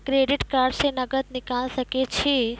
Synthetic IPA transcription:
kɾeɖiʈkaːɾɖsenəɡət̪nikalʃəket͡ʃʰe

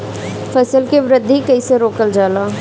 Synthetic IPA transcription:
fɐsəlkeʋɾəd̪ʱikɐiseɾoːkəld͡ʒaːlaː

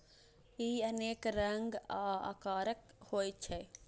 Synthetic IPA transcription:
iːɐneːkɾɐŋɡaːa̰kaːɾək | hoːjt͡ʃʰɛ

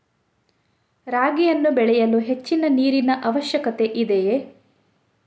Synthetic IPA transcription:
ɾaːɡijɐnːubɛɭɛjɐluɦe̞t͡ʃːinɐniːɾinɐʔɐʋɐʃjɐkɐt̪e̞ʔid̪eje

